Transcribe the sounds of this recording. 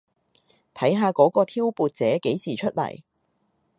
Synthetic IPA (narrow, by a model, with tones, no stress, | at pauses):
t̪ʰɐ˨˥jɦaː˨˧kɔː˨˥kɔː˧t̪ʰiː˥wpuː˨˧t̚t͡sɛː˨˥ke˨˥jsiː˨˩t͡ʃʰɵ˥t̚lɐ̰˨˩j